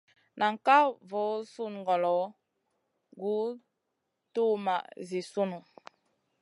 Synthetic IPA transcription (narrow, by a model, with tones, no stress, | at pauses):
nʔa˨ŋ˨ka˦vo˨˦su˦˨nŋ˨ɡɔ˨lɔ˨˦ | ɡu˨˦ | tu˦ma˨zi˨su˦nu˨